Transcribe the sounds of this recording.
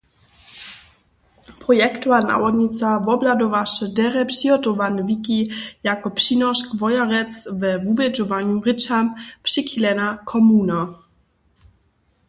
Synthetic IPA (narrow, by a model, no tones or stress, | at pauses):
pɾɔjɛkt̪uana̰wɔdɲit͡savɔbladɔvaʂɛdɛɾɛpʂiɔt̪ɔvanvikijakɔpʂinɔʂkvɔjaɾɛt͡svɛvubɛd͡ʒɔvaɲuʁɪt͡ʃampʂɪxilɛnakʰɔmuna